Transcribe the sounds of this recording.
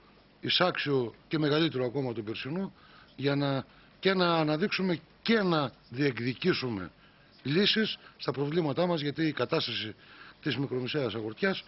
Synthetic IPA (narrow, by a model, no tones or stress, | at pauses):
isɐksio̞ce̞me̞ɣɐlit̪eɾoɐko̞mɐt̪obeɾsinu | ʝɐnɐ | cenɐːnɐðiksume̞ | ce̞nɐ | ðie̞kðicisume̞̰ | lisisːt̪ɐpɾo̞vlimɐt̪ɐmɐzʝɐt̪iːkɐt̪ɐst̪ɐsit̪izmikɾo̞meseɐsɐɣo̞ɾt̪çɐs